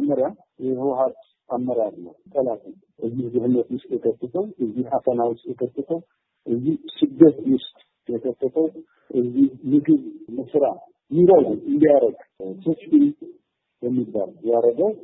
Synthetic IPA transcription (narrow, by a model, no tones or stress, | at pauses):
mːəɾja | jɛhɨwɦat̪ | ʔamːəɾadlːə̰ht̪ʼəlat̪ʼə | ʔɨzːihzɨhɨnːət̪wʊst̪jɛkʰət̪ːət̪ʰəwɨzːihasənawʊst̪jɛkʰət̪ːət̪ʰəw | ʔɨzːihsɨd̪ːət̪wʊst̪ʼ | jɛkʰət̪ʰːət̪ʰəw | ʔɨzːihmɨɡɨβmɨsɾa | jiɾoɡuɨnd̪ijaɾəɡsʰɨsin | bɛmːibːa̰ljaɾəɡəw